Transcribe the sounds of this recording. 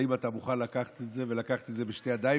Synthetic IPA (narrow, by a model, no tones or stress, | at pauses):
imat̪amuχanlakaχḁt̪etze̞velakaχḁt̪etze̞beʃtead̪ai